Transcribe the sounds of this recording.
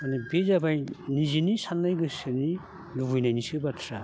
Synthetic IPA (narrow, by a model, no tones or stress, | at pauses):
anɯbezabajnizinisanːajɡɯsɯni | luɡujnajnisɯbatʰɾa